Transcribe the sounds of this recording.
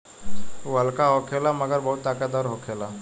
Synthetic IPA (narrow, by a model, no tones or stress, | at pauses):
uɦəlkaɦoːkʰelaməɡəɾbɐɦʊt̪ːaːkad̪ɔːɾɦokʰeːla